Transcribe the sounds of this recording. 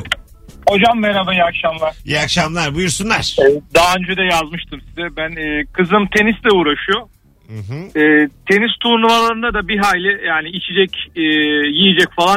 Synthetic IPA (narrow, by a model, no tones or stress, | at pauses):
ho̞d͡ʒamːeɾabajakʃamlˠaɾ̥jakʃamlˠaɾbujuɾsunˠaɾ̥ɛd̪aɦaønd͡ʒɛd̪ɛjazmɯʃt̪ʰɯmsizɛbænɛːkʰɯzɯmt̪ʰe̞nislʲɛuːɾaʃujo | ɦɛːt̪ʰe̞nist̪ʰuːnˠumalˠaɾɯnd̪ad̪abiɦaːjlʲɛjaːniit͡ʃʰid͡ʒɛcː | jijid͡ʒɛcfalˠa